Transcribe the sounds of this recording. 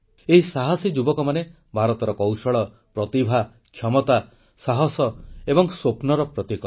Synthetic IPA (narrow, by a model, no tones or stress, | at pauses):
eɦisaɦɔsid͡ʒubɔkɔmane | bʱaɾɔt̪ɔɾɔkɔwsɔɭɔ | pɾɔt̪ibʱa | kʰjɔmɔt̪a | saɦɔsɔebɔŋsopnɔɾɔpɾɔt̪ikɔ